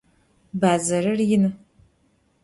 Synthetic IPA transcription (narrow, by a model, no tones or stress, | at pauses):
baːzɐrɨrjɪnɨ